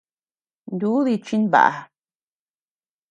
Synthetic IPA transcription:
nd̪u˦ði˧t͡ʃi˦nβa̰˨ʔa̰˨˧

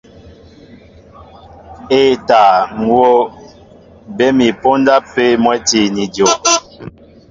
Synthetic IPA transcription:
e˦˨ta˨ŋ̩˨wo˦ | bɛ˦mi˨po˦n˦da˦pːe˦mwɛ˦ti˦˨ni˨djo˨ʔ

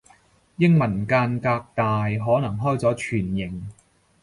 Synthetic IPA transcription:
jɪ˥ŋmɐ˨˩nkaː˧nkaː˧k̚t̪aː˨jɦɔː˨˥nɐ˨˩ŋɦɔː˥jt͡sɔː˨˥t͡ʃʰyː˨˩njɪ˨˩ŋ

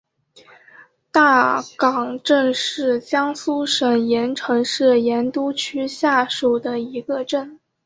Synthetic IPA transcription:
t̪a˥˩kɑ˨˩ŋʈ͡ʂə˥˧ŋʂɻ̩˥˩t͡ɕjɑ˥ŋsu˥ʂə˨˩njɛ˧˥nʈ͡ʂʰɤ˧˥ŋʂɻ̩˥˩jɛ˧˥nt̪u˥t͡ɕʰy˥ɕja˥˩ʂu˨˩d̪ə˦i˧˥ɡə˧ʈ͡ʂə˥˩n

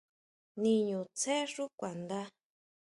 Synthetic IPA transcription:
nĩ˧ɲũ˨t͡se˦ʐu˦kʷa˨nd̪a˦

